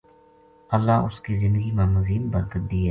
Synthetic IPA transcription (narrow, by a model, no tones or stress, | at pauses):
ɐlːaʊskizɪ̃nd̪əɡimamʊziːnbɐɾk̪əd̪iːɦɛ